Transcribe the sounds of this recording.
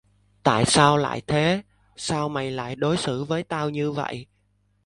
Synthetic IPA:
t̪a̰ː˧˨jsaː˧wla̰ː˧˨jt̪ʰe˨˦ | saː˧wma˨˩jla̰ː˧˨jɗo˨˦jsɨ˧˩vəː˨˦jt̪aː˧wɲɨ˧və̰˧˨jʔ

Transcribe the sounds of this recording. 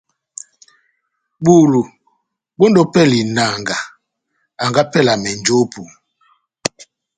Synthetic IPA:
ɓu˨lu˨ | bo˦ndɔ˦pɛ˦˨li˨na˨ŋɡa˨ | a˨ŋɡa˦pɛ˦la˨mɛ˨n˨d͡ʒo˦pu˨

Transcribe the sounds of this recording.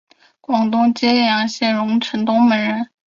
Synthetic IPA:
kwɑ˨˩ŋt̪ʊ˥ŋt͡ɕɛ˥ɛ˥˩jɑ˧˥ŋɕjɛ˥˩nɻʊ˧˥ŋʈ͡ʂʰə˧˥nt̪ʊ˥ŋmə˧˥nɻə˧˥n

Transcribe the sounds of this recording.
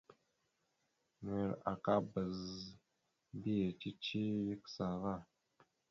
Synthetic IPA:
n˨e˨ɾa̰˨ka˦bə˨z | bi˦e˨ti˦t͡ʃi˦ji˦ksa˨ɣa˦˨

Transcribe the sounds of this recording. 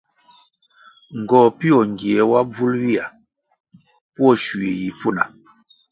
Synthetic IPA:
ŋ̩˨ɡɔ˨pi˦ɔ˨ŋ˨ɡi˨ɛ˨wa˦b͡vu˦lwi˦a˨ | pwɔ˦˨ʃu˨e˨ji˨fu˦˨na̰˨

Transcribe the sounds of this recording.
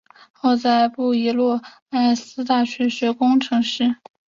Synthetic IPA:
xo˥˧ʊt͡sa˥˧ɪpu˥˩i˧˥lwɔ˥˩ | a˥˩ɪ˥˩sɹ̩˥t̪a˥˩ɕɥɛ˧˥ɕɥɛ˧˥kʊ˥ŋʈ͡ʂʰɤ˧˥ŋʂɻ̩˥˩

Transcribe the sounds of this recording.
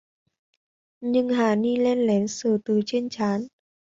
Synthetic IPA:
ɲɨ˧ŋhaː˧˩ni˧lɛ˧nlɛ˨˦nsəː˧˩t̪ɨː˨˩t͡ɕe˧nt͡ɕaː˨˦n

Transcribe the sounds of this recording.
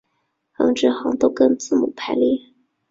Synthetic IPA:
xɤ̰˧˥ŋʈ͡ʂɻ̩˥˩xɑ˧˥ŋt̪o˥˧ʊkə˥˧ŋt͡sɹ̩˥˩mṵ˨˩˦pʰa˧˥ɪli˥˩

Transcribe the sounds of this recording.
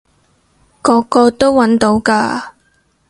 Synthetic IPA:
kɔː˨˧˥kɔː˧t̪o˥wwɐ˨˥nt̪o˨˥wkaː˧

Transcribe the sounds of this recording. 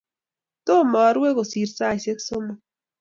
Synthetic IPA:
t̪o˦˨ma˨˦ɾwe˦ko˨si˨ɾsa˦˨se˦kso˦ma˨

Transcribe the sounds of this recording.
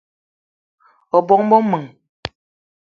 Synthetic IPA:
ɔ˨bɔ˨ŋbɔ˦mə˨ŋ

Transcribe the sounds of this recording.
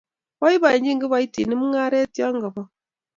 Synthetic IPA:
wa˦i˦βa˨i˨ɲd͡ʒi˦ŋɡi˦βa˦i˦ti˨ni˦mu˦ŋa˦ɾe˦tja˦ŋɡa˨βɔ˨

